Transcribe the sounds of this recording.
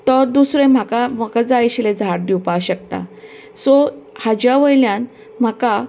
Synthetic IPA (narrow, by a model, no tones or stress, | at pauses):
t̪ɔɾd̪usɾẽm̤akamakad͡zajɕled͡zʱaʈ̚d̪iwpaɕək̚t̪a̰ | sɔhad͡ʑaʋəjljãn | m̤aka